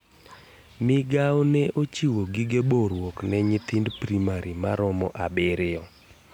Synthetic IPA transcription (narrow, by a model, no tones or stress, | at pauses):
mɪɡawnɛʔot͡ʃiwoɡiɡeboɾwɔknɛɲɪt̪ɪndpɾimaɾima̰ɾɔmɔʔabɪɾɪɔ